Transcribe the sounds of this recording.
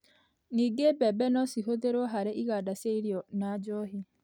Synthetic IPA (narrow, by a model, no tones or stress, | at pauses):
ŋiɡebɛbɛnɔsiɦoðeɾwɔɦaɾeʔiɣadaseiɾjɔnad͡ʒɔɦi